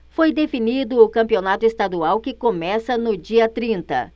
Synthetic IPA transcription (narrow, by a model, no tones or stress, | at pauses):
fojd̪efinid̪ʊːkɐ̃mpionat̪ʊest̪ad̪uawkɪkomɛsɐnʊd͡ʒiɐt̪ɾĩnt̪ɐ̰